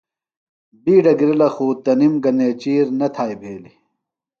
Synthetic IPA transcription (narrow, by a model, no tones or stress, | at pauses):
biːɖɐɡiɾɐlɐxuːt̪ɐnimɡɐneːt͡ɕiːɾnɐt̪ʰaːjbʱeːli